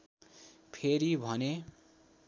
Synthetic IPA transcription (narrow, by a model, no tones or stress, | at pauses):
pʰeɾibʱʌne